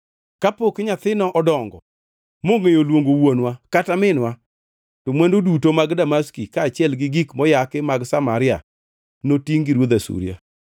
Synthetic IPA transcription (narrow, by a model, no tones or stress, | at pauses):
kapokɪɲat̪ɪnɔʔɔdɔŋɡɔ̰ | moŋejolwoŋɡowonwakatamɪnwa | tomwɛndodutomaɡdamaskikaːt͡ʃɪɛlɡɪɡikmɔjakɪmaɡsamaɾɪa̰ | notiŋɡiɾwod̪asṵɾja̰